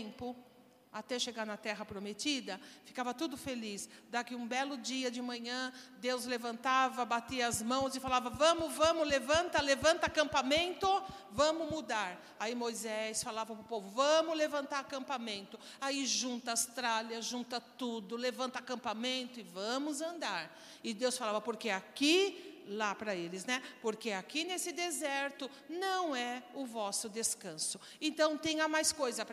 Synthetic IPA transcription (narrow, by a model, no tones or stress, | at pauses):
mpʊ | at̪ɛʃeɡaɾnɐt̪ɛɦɐpɾomet͡ʃ̪id̪ɐfi̥kavɐt̪ud̪ʊfelisd̪akɪũbɛlʊd͡ʒiɐd͡ʒɪmɐ̃ɲɐ̃d̪ewzlevɐ̃nt̪avɐbat̪iɐɐzmɐ̃w̃zɪfalavɐvɐ̃mʊvɐ̃mʊlevɐ̃nt̪ɐlevɐ̃nt̪ɐakɐ̃mpamẽnt̪ʊvɐ̃mʊmud̪aɾ | aimojzɛsfalavɐpʊpovʊvɐ̃mʊlevɐ̃nt̪aɾakɐ̃mpamẽnt̪ʊ | aiʒũnt̪ɐaast̪ɾaljɐʒũnt̪ɐt̪ud̪ʊlevɐ̃nt̪ɐakɐ̃mpamẽnt̪ʊɪvɐ̃mʊzɐ̃nd̪aɾ | ɪd̪ewsfalavɐpoɾkeakilapɾɐelɪznɛpoɾkeakinesɪd̪ezɛɾt̪ʊ | nɐ̃w̃ɛʊvɔsʊd̪eskɐ̃sʊ | ẽnt̪ɐ̃w̃t̪ẽj̃amajskojzɐp